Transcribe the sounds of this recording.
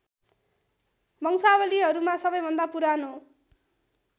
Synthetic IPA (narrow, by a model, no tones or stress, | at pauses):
bʱʌŋsawʌliɦʌɾumasʌbʌjbʱʌnd̪apuɾano